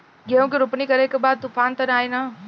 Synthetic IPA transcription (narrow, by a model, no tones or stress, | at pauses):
ɡiõkiɾʊpnikɐɾekebaːd̪̚t̪ufʰaːnt̪ɐnaːinaː